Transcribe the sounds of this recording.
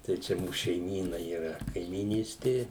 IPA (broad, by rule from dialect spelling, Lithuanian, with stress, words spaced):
tɐɪ ˈt͡ʃʲɛ ˈmuːs ʃʲɛɪˈmʲiːnɐ iːˈrɐ kɐɪmʲiːˈnʲiːsʲtʲeː